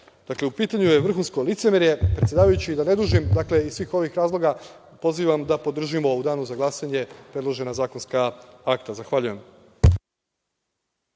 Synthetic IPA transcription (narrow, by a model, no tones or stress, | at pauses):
d̪akleupiːt̪aɲujeʋr̩xuːnsko̞lit̪semeɾjepɾet̪sʲjedaːʋajut͡ɕid̪ane̞d̪uːʒimd̪akle̞isʋiːxo̞ʋixɾaːzlˠo̞ɡa | po̞ziʋamd̪apo̞d̪r̩ʒimo̞ud̪aːnuzaɡlˠasaɲe̞pɾe̞d̪lˠo̞ʒe̞nazaːkonskaakt̪azaxʋaʎuje̞m